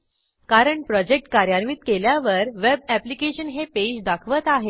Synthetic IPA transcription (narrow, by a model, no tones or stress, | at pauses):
kaɾəɳpɾɔd͡ʑek̚ʈkaɾjaɾmit̪keljaʋəɾʋeb̚æplikeɕənɦeped͡ʑd̪akʰʋət̪aɦe